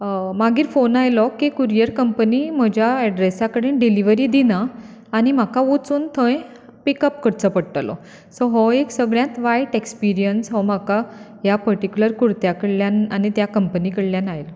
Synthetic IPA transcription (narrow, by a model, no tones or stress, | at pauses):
maɡiːɾfonajlɔkikuɾijəɾkəmpənim̤əd͡ʑʱjaɛɖɾesakəɽenɖeliʋəɾiːd̪ina | añim̤akaot͡suːnt̪ʰə̃j | pikəp̚kəɽt͡səpəɽʈəlɔ̰ | soɦɔeksəɡɭjãt̪ʋajʈekspiɾijənsɦɔm̤akajapəɾʈikʲuləɾkuɾt̪jakəɽljananit̪jakəmpənikəɽljanajl